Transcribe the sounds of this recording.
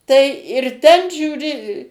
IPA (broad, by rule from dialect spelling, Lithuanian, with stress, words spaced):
tɐɪ ɪr ˈtʲɛn ʒʲuːˈrʲɪ